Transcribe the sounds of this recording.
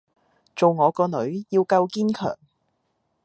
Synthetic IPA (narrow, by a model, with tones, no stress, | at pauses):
t͡so˨wŋɔː˨˧kɔː˧nɵ˨˥ɥjiː˧wkɐ˧wkiː˥nkʰœ̰ː˨˩ŋ